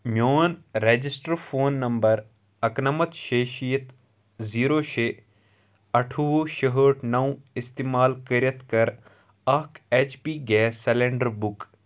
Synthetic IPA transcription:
mjoːnɾed͡ʒisʈəɾfʰoːnːɐmbəɾ | ɐknɐmɐt̪ʃeːʃijət̪ | ziːɾoːʃe | ɐʈʰuʋoʃəɦəːʈʰnɐw̃ist̪iːmaːlkəɾjət̪kɐɾ | ɐkeːt͡ʃpiːɡɛːselẽɳɖəɾbʊk

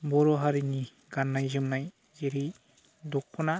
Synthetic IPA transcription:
bɔɾɔɦaɾini | ɡanːajd͡ʒɯmnaj | d͡ʒeɾi | d̪ɔkʰːɔna

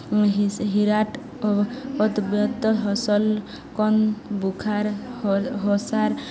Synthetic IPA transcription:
ɦɦiɾaʈ | ɔɔt̪bjɔt̪ːɔɦɔsɔl | kɔnbukʰaɾ | ɦɔsaɾ

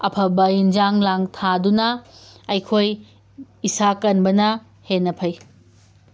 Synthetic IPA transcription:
ɐpʰɐbɐind͡ʒaŋlaŋtʰadunɐɐjkʰoj | isakɐnbɐnɐ | henːɐpʰɐj

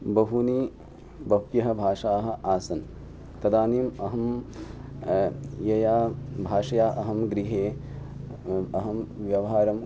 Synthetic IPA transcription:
bɐɦuniː | bɐpjɐɦɐ̆bʱaːʂaːɦɐ̆ʔaːsɐn | t̪ɐd̪aːniːmɐɦɐm | jɐjaːbʱaːʂɐjaːʔɐɦɐmɡɾiɦeː | ɐɦɐmʋjɐʋɐɦaːɾɐm

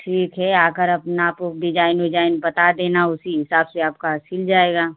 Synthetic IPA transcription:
ʈʰiːkɦɛaːkəɾɐpnaːpok̚ɖɪd͡ʒaːɪnɦod͡ʒaːɪnbɐt̪ad̪eːnaʊsiɦɪsaːbseaːp̚kasʰɪld͡ʒaːeːɡaː

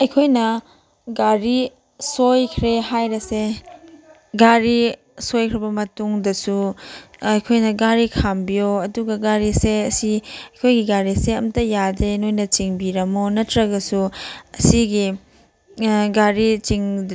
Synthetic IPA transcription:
ɐjkʰojnɐ | ɡaɾi | sojkʰɾehajɾɐse | ɡaɾi | sojkʰɾɐbɐmɐtuŋdɐsu | ɐjkʰojnɐɡaɾikʰambijoɐduɡɐɡaɾiseɐsiɐjkʰojɡiɡaɾiseɐmtɐjadenojnɐt͡ʃiŋbiɾɐmonɐtɾɐɡɐsuɐsiɡi | ɡaɾit͡ʃiŋ

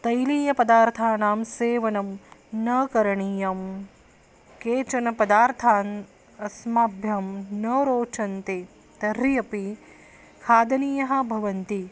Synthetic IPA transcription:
t̪ɐjliːjɐpɐd̪aːɾt̪ʰaːnaːmseːʋɐnɐmnɐːkɐɾɐɳijɐm | keːt͡ʃɐnɐpɐd̪aːɾt̪ʰaːn | ɐsmaːbʱjɐmnɐɾoːt͡ʃɐnt̪eː | t̪ɐɾjɐpi | kʰaːd̪ɐniːjɐɦɐ̆bʱɐʋɐnt̪i

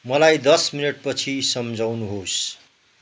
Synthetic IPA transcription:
mʌlajd̪ʌsminʌʈ̚pʌt͡sʰisʌmd͡zʱawnuɦos

